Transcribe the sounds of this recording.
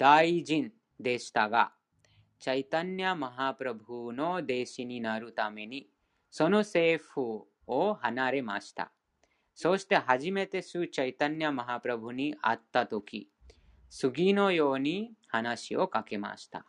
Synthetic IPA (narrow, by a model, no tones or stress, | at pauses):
d̪̥aːid͡ʒin | d̪eːst̪aɡa̰ | t͡ʃɐjt̪ɐnjɐmɐɦaːpɾɐbʱunod̪eːʃininaɾut̪aːmeni | sonoseːfʰu | oɦɐnaːɾema̰ːst̪a̰ | soːst̪eɦɐd͡ʒimet̪esut͡ʃɐjt̪ɐnjɐmɐɦaːpɾɐbʱuniʔa̰t̪ːat̪okḭ | suɡiːnojoːnihɐnaːʃiokɐkema̰ːst̪a̰